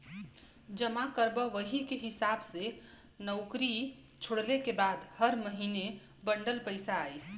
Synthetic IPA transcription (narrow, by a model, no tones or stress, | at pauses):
d͡ʒəmakəɾbəʋəɦikeɦisabse | nəʊkɾi | t͡ʃʰoɽlekebad̪həɾməɦine | bəɳɖəlpəɪsaːj